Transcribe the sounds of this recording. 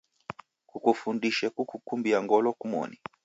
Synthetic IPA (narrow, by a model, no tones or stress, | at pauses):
kukufundiʃɛkukukumbiaŋɡɔlɔkumɔ̰ni